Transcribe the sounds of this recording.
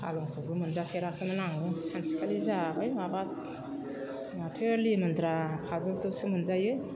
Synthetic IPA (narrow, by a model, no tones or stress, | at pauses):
a̰lɔŋkʰɯɡɯmɯnzakʰeɾakʰɯmɯnaŋɯsansi̥kʰalizabajabat | atʰeɾlimɯnd̪ɾapʰaduk̚dɯsɯmɯnzajɯ